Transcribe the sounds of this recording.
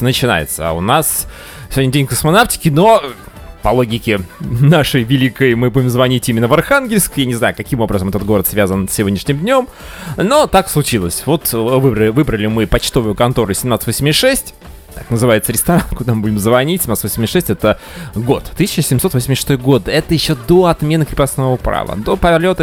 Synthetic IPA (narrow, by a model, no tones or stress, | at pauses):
nət͡ɕɪna̰jɪ̰t̪sə̰ʊnas | sɪvodʲnʲɪdʲenʲkəsmɐnaftʲɪ̥kʲɪno̞ | pɐlˠo̞ɡʲɪkʲɪnaʂəjvʲɪlʲikəjmɨbudʲɪmzvɐnʲitʲimʲɪnːəvɐrxanɡʲɪlʲskjanʲɪznajʊkɐkʲimo̞bɾəzəmɛt̪ətd̪ɡo̞ɾət̪svʲazənsʲːɪvo̞dʲnʲɪʂnʲɪmd̪ʲnʲo̞m | no̞t̪akslˠʊt͡ɕilˠəsʲvo̞t̪vɨbɾəvɨbɾəlʲɪmɨpɐt͡ɕt̪o̞vʊjʊkɐnt̪o̞ɾʊsʲɪmnat̪ɨ̥t̪vosʲmʲɪʂɛsʲtʲ | t̪aknəzɨvajɪt̪səɾʲɪst̪ɐɾankʊd̪amɨbudʲɪmzvɐnʲitʲsʲɪmnat̪svosʲmʲɪʂɛsʲtʲɛt̪ə | ɡo̞t̪t̪ːɨsʲɪt͡ɕəsʲɪmsot̪vosʲmʲɪsʲʂɨ̥st̪o̞jɡo̞d̪ɛt̪əjɪɕːod̪oɐt̪mʲe̞nɨkɾʲɪpɐsnovəpɾa̰və̰d̪o̞pəlʲo̞t̪ə